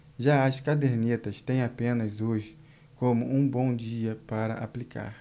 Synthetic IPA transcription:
ʒaɐskad̪eɾnit̪ɐst̪ẽj̃apẽnɐzoʒɪ | kõmʊʔũbõw̃d͡ʒiɐpaɾɐ̰ʔa̰plikʰa̰ɾ

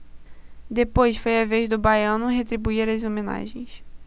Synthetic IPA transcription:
d̪epojsfojaveʒd̪ʊbajɐ̃nʊɦet̪ɾibuiɾɐzomẽna̰ʒẽj̃s

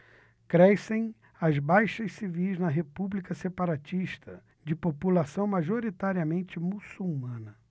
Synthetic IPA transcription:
kɾɛsẽj̃ | ɐzbajʃɐssivijznɐɦepublikɐsepaɾat͡ʃiʃt̪ʰɐ | d͡ʒɪpopulasɐ̃w̃maʒoɾit̪aɾiɐmẽnt͡ʃɪmusuwmɐ̃nɐ

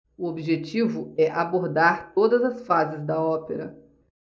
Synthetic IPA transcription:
ʊobiʒet͡ʃivʊɛʔaboɾd̪aɾt̪od̪ɐzɐsfazɪzd̪ɐɔpeɾɐ

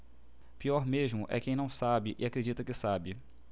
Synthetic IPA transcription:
piɔɾmeʒmʊʔɛ̰kẽj̃nɐ̃w̃sabɪʔɪakɾed͡ʒit̪ɐkɪsabɪ

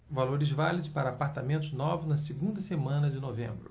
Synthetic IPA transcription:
valoɾɪzvalid̪ʊspaɾɐːpaɾt̪amẽnt̪ʊznɔvʊznɐseɡũnd̪ɐsemɐ̃nɐd͡ʒɪnovẽmbɾʊ

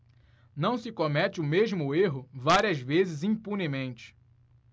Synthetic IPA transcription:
nɐ̃w̃sɪkomɛt͡ʃɪʊmeʒmʊeɦʊvaɾiɐzvezɪzĩpunɪmẽnt͡ʃɪ̥

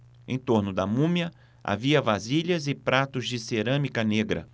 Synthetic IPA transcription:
ḛ̃t̪oɾnʊd̪ɐmũmiɐ | a̰viɐvaziʎɐzɪpɾat̪ʊzd͡ʒɪseɾɐ̃mikɐneɡɾɐ̰

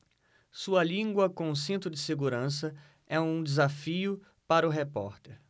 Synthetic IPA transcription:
suɐlĩɡwɐkõʊ̃s̬ẽnt̪ɾʊd͡ʒɪseɡuɾɐ̃s̬ɐ | ɛũd͡ʒɪzafiʊ | paɾɐʊɦepɔ̰ɾt̪eɾ

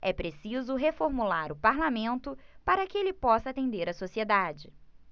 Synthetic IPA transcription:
ɛpɾesizʊɦefoɾmulaɾʊpaɾlamẽnt̪ʊpaɾɐkɪelɪpɔsɐat̪ẽnd̪eɾɐsosied̪ad͡ʒɪ

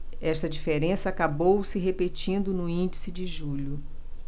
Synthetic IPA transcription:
ɛʃt̪ɐd͡ʒifeɾẽsɐakabowsɪɦepet͡ʃĩnd̪ʊnʊĩd͡ʒisɪd͡ʒɪʒuʎʊ

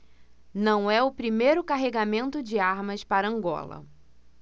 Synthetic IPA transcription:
nɐ̃w̃ɛʊpɾimejɾʊkaɦeɡamẽnt̪ʊd͡ʒɪaɾmɐspaɾɐɐ̃ŋɡɔ̰lɐ̰

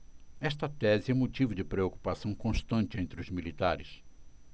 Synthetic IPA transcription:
ɛst̪ɐt̪ɛzɪɛũmot͡ʃivʊd͡ʒɪpɾeoku̥pasɐ̃w̃kõst̪ɐ̃nt͡ʃɪẽnt̪ɾɪʊzmilit̪aɾɪs

